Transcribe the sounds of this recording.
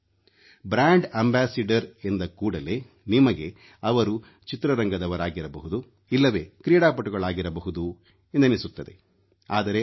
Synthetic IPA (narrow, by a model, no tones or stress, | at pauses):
bɾaːɳɖɐmbaːsiɖɐɾe̞nd̪ɐkuːɽɐle̞ | nimɐɡe̞ | ɐʋɐɾu | t͡ʃit̪ɾɐɾɐŋɡɐd̪ɐʋɐɾaːɡiɾɐbɐɦud̪u | ilːɐʋe̞ːkɾijɽaːpɐʈuɡɐɭaːɡiɾɐbɐɦud̪u | end̪ɐnisut̪ːɐd̪e̞ | aːd̪ɐɾe̞